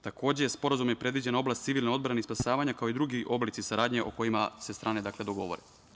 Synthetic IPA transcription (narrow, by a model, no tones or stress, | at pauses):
t̪ako̞ːd͡ʑe̞jespo̞ɾazumjepɾe̞d̪ʋid͡ʑe̞nao̞blˠast̪siʋilneo̞d̪bɾaneispasaːʋaɲakaoid̪ɾuɡiʔo̞blit̪sisaɾaːd̪ɲe̞ʔo̞̰ko̞jimase̞st̪ɾʔaːned̪akle̞d̪o̞ɡo̞ʋo̞̰ɾe